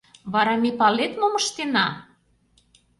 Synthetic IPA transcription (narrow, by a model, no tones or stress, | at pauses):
βɑɾɑmepɑlet̪momɤʃt̪enɑ